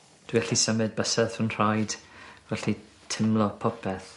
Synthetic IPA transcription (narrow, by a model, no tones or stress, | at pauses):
d̥wiɛɬisəmɨd̚bəsɛðənr̥ajd̥vɛɬi | tʰɪmlˠɔpʰɔpʰɛθ